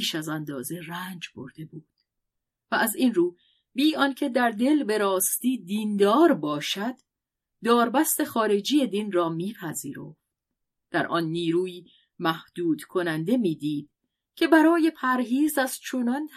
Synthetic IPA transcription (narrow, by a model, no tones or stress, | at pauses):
ʃæzænd̪ɒːze̞ræːnd͡ʒbo̞̰ɾd̪e̞buːd̪̥ | væʔæzinruː | biːʔɒncʰe̞d̪æɾd̪e̞lbe̞ɾɒːst̪iːd̪iːnd̪ɒːɾbɒːʃæd̪̥ː | ɒːɾbæst̪e̞xɒːɾe̞d͡ʒiːje̞d̪iːnrɒːmiːpʰæziːɾo̞̰ft̪ | d̪̥æɾʔɒnːiːɾuːjiː | mæhd̪̥uːd̪̥kʰo̞nænd̪e̞miːd̪iːd̪̥̚ | cʰe̞bæɾɒːje̞pʰæɾɦiːzæz̥t͡ʃʰo̞nɒn